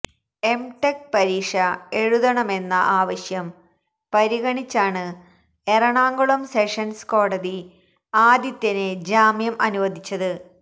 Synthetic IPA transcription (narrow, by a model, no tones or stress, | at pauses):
e̞mʈekpɐɾiːʂɐe̞ɻuðɐɳɐme̞nːɐʔaːʋɐɕjɐm | pɐɾiɣɐɳit͡ɕːaːɳɨ | erɐɳaːŋɡɐɭɐmseʂɐnsko̞ːɽɐði | aːd̪jɐt̪ːɐned͡ʑaːmjɐmʔɐnuʋɐd̪ʱit͡ɕːɐðɨ